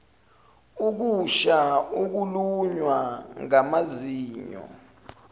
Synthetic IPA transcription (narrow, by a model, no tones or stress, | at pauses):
uk̬uʃauk̬uluɲwaŋamaziːɲɔ̰